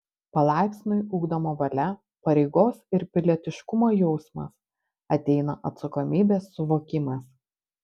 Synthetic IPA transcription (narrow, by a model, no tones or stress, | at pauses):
pɐlˠɑˑɪpʲsʲnʲʊɪuːɡd̪ɐmoːʋɐlʲɛ | pɐɾʲɛɪɡoːsɪɾpʲɪlʲɛt̪ʲɪʃkʊmoːjɔʊsmɐ̰s | ɐt̪ʲɛɪnɐʔɐt̪sɐkoːmʲiːbʲeːsːʊʋoːkʲɪmɐs